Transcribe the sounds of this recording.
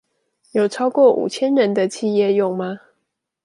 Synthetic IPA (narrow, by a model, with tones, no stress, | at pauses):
jo˨˩ʊʈ͡ʂʰɑ˥ʊkwɔ˥˩ʔṵ˨˩t͡ɕʰjɛ˦nɻə˧˦nd̪ə˧t͡ɕʰi˥˧jɛ˥˧˨jʊ˥˩ŋma˨˦